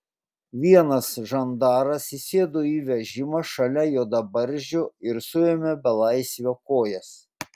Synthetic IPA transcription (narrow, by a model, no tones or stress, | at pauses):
ʋʲiɛnɐsʒɐnd̪ɑːɾɐsisʲeːd̪oiːʋʲɛʒʲɪmɐʃɐlʲɛjoːd̪ɐbɐɾʲˑʒʲʊɪɾsʊjɛmʲɛbʲɛlˠɑɪsʲʋʲoːkoːjɛs